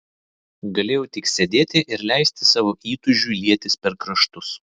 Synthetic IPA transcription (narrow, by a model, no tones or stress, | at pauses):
ɡɐlʲeːjɛʊt̪ʲɪksʲɛd̪ʲeːt̪ʲɪʔɪɾlʲæˑɪsʲt̪ʲɪsɑːʋoːʔiːt̪ʊʒʲuːlʲiɛt̪ʲɪspʲɛɾkɾɐʃt̪ʊs